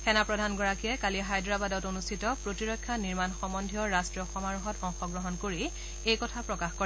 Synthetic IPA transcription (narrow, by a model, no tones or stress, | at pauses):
xɛnapɹɔdʱanɡɔɹakiɛkaliɦajdɹabadɔtonustʰitɔpɹotiɹɔkʰːjaniɹmanxɔmɔndʱiɔɹastɹiɔxɔmaɹuɦɔtɔŋxɔɡɹɔɦɔnkoɹi | ejkɔtʰapɹɔkaxko